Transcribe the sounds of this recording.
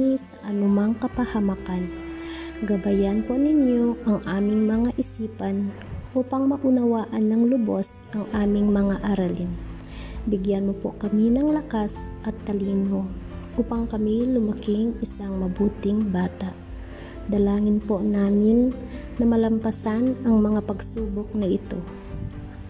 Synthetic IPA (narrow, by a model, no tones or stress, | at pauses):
isɐʔɐnumɐŋkɐpɐhɐmakan | ɡɐbajanponɪɲjoʔɐŋʔaːmɪŋmɐŋaʔɪsiːpɐn | ʔopɐŋmɐʔʊnɐwaːʔɐnːɐŋlʊbosʔɐŋʔaːmɪŋmɐŋaʔɐɾalɪn | bɪɡjanmopo̰kɐminɐŋlɐkasʔɐt̪ːɐliːno̞ʔuːpɐŋkɐmilʊmɐkɪŋɪsaŋmɐbuːt̪ɪŋbaːt̪aʔ | d̪ɐlaːŋɪnponaːmɪnː | ɐmɐlɐmpɐsanɐŋmɐŋapɐɡsuːbok̚nɐʔɪt̪o̞̰